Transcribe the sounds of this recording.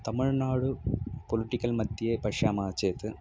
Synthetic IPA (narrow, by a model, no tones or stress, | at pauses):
t̪ɐmiɻnaːɽɨpoliʈːikʲːɐlmɐd̪ʱjɐjepɐʂjaːmaːt͡ɕːeːt̪ːɨ